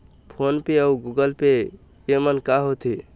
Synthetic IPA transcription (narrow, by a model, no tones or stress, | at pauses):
pʰonpeəuɡuɡəlpe | emənkaɦot̪i